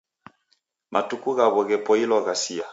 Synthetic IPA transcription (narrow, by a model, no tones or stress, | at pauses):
mʔatukuɣaβɔɣɛpɔilɔɣasia